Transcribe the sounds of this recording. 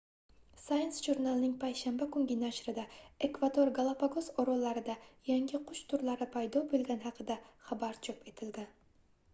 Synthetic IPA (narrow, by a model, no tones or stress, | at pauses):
sajnsʒuɾnalnɪŋpʰajʃambakʰʊŋɡʲɪnaʃɾɪd̪ae̞kvad̪oɾɡalˠapaɡosɒɾɒlːaɾɪd̪ajaŋɡʲɪqʰʊʃt̪ʰʊɾlaɾɪpʰajd̪ɒbolɡʲanɦɑqʰɨd̪aχabaɾt͡ʃʰɒpe̞t̪ʰɪld̪ɪn